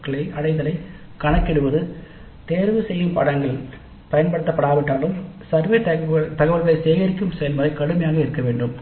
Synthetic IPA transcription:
kːɐɭɐɪʔɐɽɐɪðɐlɐɪ | kɐɳɐkːɛɽɯʋɐðɯ | t̪eːɾʋɯsɛjːɯmpɐ̰ɽɐŋɡɐɭ | pɐjɐnpɐɽɯt̪ːɐpːɐɽaːʋɪʈːaːlɯmsɐɾʋeːt̪ɐt̪ɐɣɐʋɐɭɣɐɭɐseːɣɐɾɪkʲːɯmsɐlmɐːɐkɐɽɯmɐjaːɣɐɪɾɯkːɐʋeːɳɖɯm

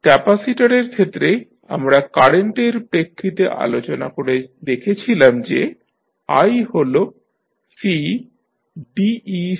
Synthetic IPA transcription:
kɛpasiʈaɾeɾkʰet̪ːɾe | a̰mɾakaɾeɳʈeɾpɾekʰːit̪eʔa̰lot͡ɕona̰koɾed̪ekʰet͡ɕʰilamd͡ʑḛ | a̰jɦolo | si | ɖii

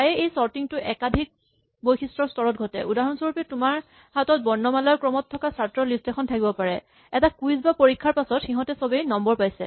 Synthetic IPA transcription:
tajɛejsɔɹtiŋtʊʔɛkadʱik̚ | bojxʰistɹɔstɔɹɔt̚ɡʱɔtɛʔudaɦɔnsoɹupɛtʊmaɹ | hatɔt̚bɔɹnːɔmalaɹkɹɔmɔtʰːɔkasaɹtɹɔlistɛkʰɔntʰakibɔpaɹɛ | ɛtakujzbapoɹikʰːaɹpasɔtxiɦɔ̃tɛsɔbejnɔmbɔɹpajsɛ

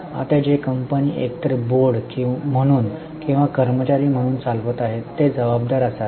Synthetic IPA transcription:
a̰t̪ad͡ʑekəmpəniːʔekt̪əɾəboɽkĩm̤əɽ̃uːn | kĩw̃ʋakəɾmət͡ɕaɾiːm̤əɽ̃uːnt͡salʋət̪aɦet̪ːed͡zəʋab̚d̪aɾəsat̪

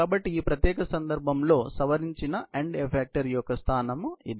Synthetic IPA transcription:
aːbɐʈːiiːpɾɐt̪jɛːkɐsɐnd̪ɐɾbʱɐmlo̞ːsɐʋɐɾiɲt͡ʃinɐeɳɖepʰeːk̚ʈɐɾjɔkɐst̪ʰaːnɐmuid̪

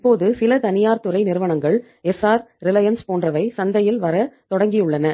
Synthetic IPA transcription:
ɪpːoːðɯsɪlɐt̪ɐnɪjaːɾt̪ɯɾɐɪnɪɾɯʋɐɳɐŋɡɐɭ | ɛsaːɾɾɪlɐjɐnspoːndrɐʋɐɪsɐnd̪ɐjɪlʋɐɾɐt̪ɔɽɐŋɡɪjɯɭːɐnɐ

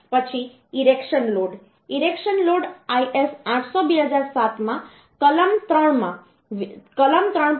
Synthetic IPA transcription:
pət͡ʃʰi | iɾekʃənloɖ | iɾekʃənloɖaiʔesãʈʰsobiɦəd͡ʒaɾsat̪mã | kələmt̪ɾəɳmã | kələmt̪ɾəɳ

